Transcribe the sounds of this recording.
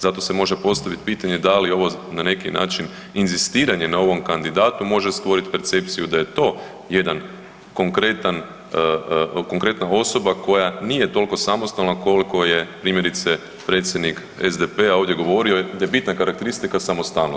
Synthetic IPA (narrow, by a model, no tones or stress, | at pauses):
zat̪o̞se̞mo̞ʒe̞po̞st̪aʋit̪piːt̪aɲe̞d̪alio̞ʋo̞nane̞kina̰ːt͡ʃin | inzist̪iːɾaɲenao̞ʋo̞mkand̪id̪aːt̪umo̞ʒe̞st̪ʋo̞ɾit̪pe̞ɾt̪se̞p̚t̪sijud̪aje̞t̪o̞ː | je̞d̪an | ko̞ŋkɾe̞t̪an | ko̞ŋkɾe̞t̪nao̞so̞bako̞janije̞t̪o̞lko̞samo̞st̪alnako̞liko̞je̞pɾiːmjeɾit̪se | pɾe̞ːt̪sʲje̞d̪nik | ezd̪epeao̞ʋvd̪ʲje̞ɡo̞ʋo̞ɾio̞d̪ajebit̪nakaɾak̚t̪e̞ɾist̪ikasamost̪alno